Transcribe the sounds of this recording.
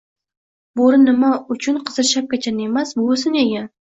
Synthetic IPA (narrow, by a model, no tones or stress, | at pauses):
boɾɪnːɪmaʊt͡ʃʰʊnqʰɨzɨɾʃap̚kʲat͡ʃʰanemasbʊʊs̬ɪneɡʲan